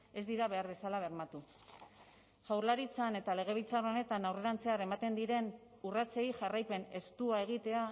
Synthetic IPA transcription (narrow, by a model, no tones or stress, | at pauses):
e̞zd̪iɾaβe̞aɾβe̞salaβ̞e̞ɾmat̪u | ʝawɾlaɾit͡sane̞t̪ale̞ɣ̞e̞β̞it͡sarone̞t̪anawre̞ɾant͡se̞aɾe̞mat̪e̞nd̪iɾe̞n | urat͡sejiʝarajpe̞ne̞st̪uae̞ɣ̞it̪e̞a